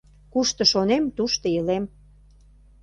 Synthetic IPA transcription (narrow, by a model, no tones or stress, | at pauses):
kuʃt̪ə̆ʃonemt̪uʃt̪əjəlem